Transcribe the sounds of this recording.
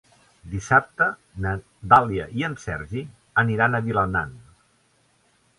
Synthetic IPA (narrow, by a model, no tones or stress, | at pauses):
d̪isap̚t̪ə | nə | d̪alˠiəʔiənsɛɾʒi | əniɾanəβiləna̰n